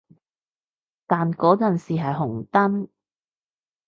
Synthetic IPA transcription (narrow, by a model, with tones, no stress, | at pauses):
t̪aː˨nkɔː˨˥t͡sɐ˨nsiː˨ɦɐ˨jɦʊ˨˩ŋt̪ɐ˥n